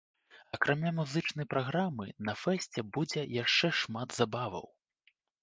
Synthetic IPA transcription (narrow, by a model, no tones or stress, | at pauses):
ɐkɾʔamʲamuzɨt͡ʂnɐjpɾaɣɾamɨnɐfɛsʲt͡sʲɛbud͡zʲɛjaʂt͡ʂɛʂmad̪z̥abavɐ̰w